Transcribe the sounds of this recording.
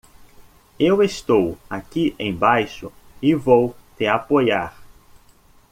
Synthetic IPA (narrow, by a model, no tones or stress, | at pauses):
ewest̪owakiʔẽj̃bajʃʊɪvowt̪eapojaɾ